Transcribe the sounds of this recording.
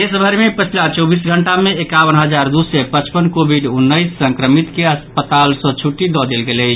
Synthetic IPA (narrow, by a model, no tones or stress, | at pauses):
esbʱəɾmepət͡ʃʰilat͡ʃɔbisɡʱəɳʈameekaʋənɦəd͡ʒaɾd̪usepət͡ʃpənkobʱiɖunːəɪsːə̃ŋkɾəmit̪keəspət̪alsɔ̃t͡ʃʰuʈːid̪ɔd̪elɡelət͡ʃʰ